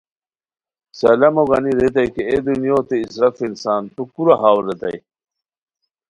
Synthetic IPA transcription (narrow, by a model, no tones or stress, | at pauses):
salɐmoɡaniɾet̪̬ajkeed̪unijot̪eisɾɐfeinsaːnt̪ukuɾaɦaːwɾːet̪a̰j